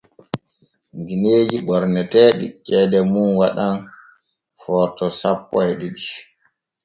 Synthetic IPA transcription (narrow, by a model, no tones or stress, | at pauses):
ŋɡineːd͡ʒiɓɔɾnɛtɛːɗḭt͡ʃɛːdɛmunwaɗan | fɔːtɔsapːɔjɗiɗi